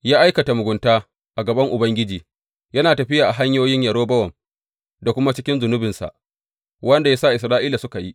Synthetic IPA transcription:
jaː˦ʔa˦jkɐ˨ta˨mʊ˨ɡʷʊ˨ntaː˦ | ʔa˨ɡɐ˨bɐ˦ŋʔʊ˨bɐ˦ŋɡʲɪ˦d͡ʒiː˨ | jɐ˦naː˨tɐ˨ɸɪ˦jaː˨ʔa˨ɦa˦ɲjoː˦jɪ˦ɲjɐ˨ɾoː˦bɐ˦wɐ˨m | da˨kʷʊ˦ma˦t͡ʃɪ˦kʲɪ˦nzʊ˨nʊ˦bɪ˨nsa̰˨ʔ | wɐ˦nda˨ja˦sa˦˨ʔɪ˨s̬ɾaː˦ʔiː˦la˨sʊ˦ka˨ji˦ʔ

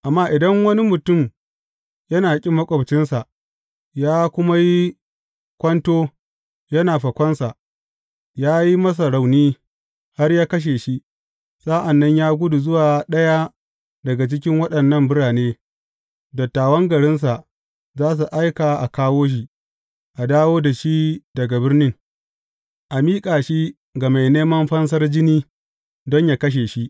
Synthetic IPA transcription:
ʔa˨mːaː˦ʔɪ˨dɐ˦ŋwɐ˦ni˦mʊ˨tʊ˦˨m | jɐ˦naː˨kʲʼɪ˦mːɐ˦kʷʼɐ˨bt͡ʃɪ˦nsa˨ʔ | jaː˦kʷʊ˦ma˦ji˦ | kʷɐ˦ntoː˦ | jɐ˦naː˨ɸɐ˨kʷɐ˦nsa˨ʔ | jaː˦ji˦mɐ˦s̬a˨ɽa˨wniː˦ | ha˦rjaː˦kɐ˦ʃ̬eː˨ʃi˦ʔ | sʼa˦ʔa˨nːɐ˦ɲjaː˦ɡʷʊ˦du˨zʊ˦waː˨ɗɐ˦ja˦ | dɐ˨ɡa˨t͡ʃɪ˦k̬ʲɪ˦ŋwɐ˦ɗɐ˨nːɐ˦mbʊ˦ɽaː˨neː˦ | dɐ˨tːaː˨wɐ˦ŋɡɐ˨ɽɪ˦ns̬a˨ʔ | zaː˦s̬u˨ʔa˦jkaː˨ʔa˨kaː˦woː˦ʃ̬i˨ | ʔa˨daː˦woː˦da˨ʃi˦dɐ˨ɡa˨bɪ˦rnɪ˦ŋ | ʔa˨miː˦kʼaː˨ʃi˦ | ɡa˨ma˨jneː˦mɐ˦mɸɐ˦ns̬ɐ˦rd͡ʒɪ˦niː˦ | dɔ˦ɲjaː˦kɐ˦ʃ̬eː˨ʃi˦ʔ

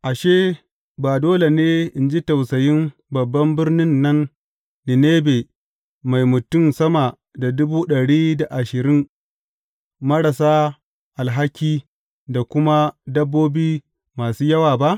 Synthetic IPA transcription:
ʔa˨ʃeː˦ | baː˨doː˦le˨neː˦ʔɪ˨nd͡ʒi˦ta˨wsɐ˨jɪ˦mbɐ˨bːɐ˦mbɪ˦rnɪ˦nːɐ˦nː | ɪ˨neː˦be˨ | ma˨jmʊ˨tʊ˦˨msɐ˦ma˨ | da˨dʊ˦buː˦ɗɐ˨ɽiː˦da˨ʔa˨ʃɪ˨ɾɪ˦n | mɐ˦ɽa˨saː˦ | ʔa˨lɦa˦kʲiː˦ | da˨kʷʊ˦ma˦dɐ˦bːoː˦biː˦ | maː˨suː˦jɐ˦waː˨ba˦ʔ

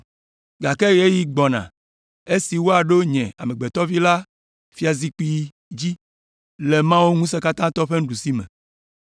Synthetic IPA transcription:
ɡa˨ke˦je˦ji˦ɡ͡bɔ˨nã̰˨ | e˦si˨wo˦a˨ɖo˦ɲɛ̃˨a̰˨mẽ˨ɡ͡be˨t̪ɔ˦vi˦la˦ | fi˦a˨zi˦k͡pi˦ | d͡ʑi˦ | le˨mã˦wo˦ŋũ˦s̬e˦ka˦t̪ã˦t̪ɔ˦ɸe˦ŋ̩˦ɖu˨si˦mɛ̰̃˨

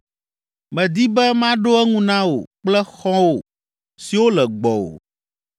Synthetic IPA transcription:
mɛ̃˨d̪i˦bɛ˦mã˦ɖo˦ɛ˦ŋũ˦nã˦wo̰˨k͡plɛ˦xɔ̃˦wo˨ | si˨wo˦lɛ˨ɡ͡bɔ˨wo̰˨

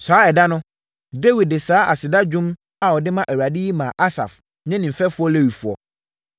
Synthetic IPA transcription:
saː˨˦ɛ˨da˦nʊ̃˦ | de˦wi˨d̚dɪ˨saː˦a̰˨sɪ˨da˦d͡ʑᶣũ˦m | a˨wɔ˨dɪ˦mã˦ʔæ˨wa˨di˦ji˦mã˨ʔa˦sa̰˨f | ɲɛ̃˦nɪ̃˨m̩˨fɛ˦fʊ˦ɔ˦le˦wi˨fʊ˨ɔ̰˨

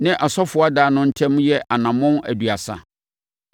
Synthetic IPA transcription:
nɪ̃˦ʔa˨sɔ˦fʊ˨˦a˦daː˨nʊ̃˦n̩˦tʰɛ̃˦m˦jɛ˦ʔa˨nã˨mʊ̃˦næ̰˨du˨a˨sa̰˨

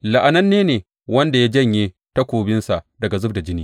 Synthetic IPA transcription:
la˨ʔa˨nɐ˦nːeː˦neː˨ | wɐ˦nda˨ja˦d͡ʒɐ˦˨ɲjeː˦ | ta˦kʷoː˨bɪ˦nsa˨ʔdɐ˨ɡa˨zʊ˦b̚da˨d͡ʒɪ˦niː˦

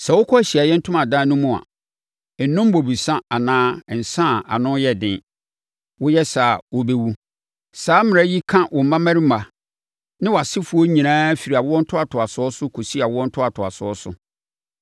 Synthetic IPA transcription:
sɛ˨wʊ˦kʰɔ˦æ˨ɕi˨a˨jɛ˦n̩˦tʰʊ̃˦mã˨dãː˦nʊ̃˦mũ˨a̰˨ | nʊ̃˦m˦bo˨bi˨sã˦a˨nãː˦˨n̩˨sã˦˨a̰˨nʊ̃˦jɛ˦dɪ̃˦ | wʊ˦jɛ˦sa˨wo˦be˦wu˦ | saː˨˦mɪ̃˨ɾa˦ji˦kʰã˦wʔɔ˨m̩˨mã˦mæ̃˦ɾi˦ma˨ | nɪ̃˦wa˨sɪ˦fʊ˨˦ɔ˦ɲĩ˨nãː˦fi˨ɾi˨a˨wʊ˦ɔ̃˦n̩˦tʰʊ˦a˨tʰʊ˨a˨sʊ˨˦ɔ˦sʊ˦kʰo˨si˦a˨wʊ˦wɔ̃˦n̩˦tʰʊ˦a˨tʰʊ˨a̰˨sʊ˨˦ɔ˦sʊ̰˨˦

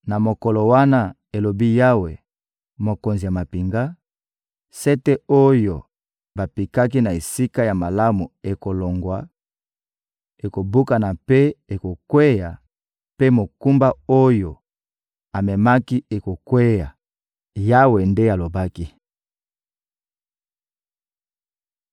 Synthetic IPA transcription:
na˨mo˨kɔ˨lo˨wa˦na˦ | e˨lo˨bi˦ja˦we˨ | mo˨ko˨nzi˨ja˨ma˨pi˨ŋɡa˦ | sɛ˦te˦o˦jo˨ | ba˨pi˨ka˦k̬i˦na˨e˨si˦ka˦ja˨ma˨la˦mu˨e˨ko˨lo˨ŋɡwa˨ | e˨ko˨bu˦ka˨na˨pe˦e˨ko˨kwe˦ja˨ | pe˦mo˨ku˦mba˦o˦jo˨ | a˨mɛ˨ma˦ki˦e˨ko˨kwe˦ja˨ | ja˦we˨nde˦a˨lo˨ba˦ki˦

